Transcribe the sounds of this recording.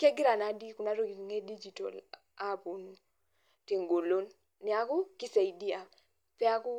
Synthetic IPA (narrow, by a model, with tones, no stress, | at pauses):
kɛ˦ɡɪ˦ɾa˨na˨di˦ku˨na˦ɾo˦i˨ŋe˦di˦d͡ʒi˨to̰˨l | a˦˨pu˨˦nu˦ | ti˨ŋɡo˨lo˦nː | ɪ˨a˨˦kʊ˦ki˦sa˨i˨di˦a˨ | pɛ˦a˦kʊ˦